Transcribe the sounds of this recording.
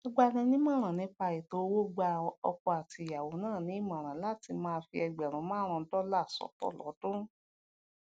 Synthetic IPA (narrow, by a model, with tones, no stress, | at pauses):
ɔ˧ɡ͡ba˧nɛ̃˧nĩ˦mã˦˨ɾ̃ã˨nĩ˨˦pa˧i˨to˨˦wo˦˨ɡ͡ba˧ɔ̰˧kɔ˧a˨ti˨˦˨a˨wo˨˦nãː˦˨nĩ˨˦˨mã˨ɾ̃ã˨˦la˦ti˧mãː˦˧fi˧ɛ˧ɡ͡bɛ˨ɾ̃ũ˨˦mãː˦ɾ̃ɔ̃˧˦dɔ˦la˦˨sɔ̰˨˦tɔ̰˦˨lɔ̰˨˦dũ˦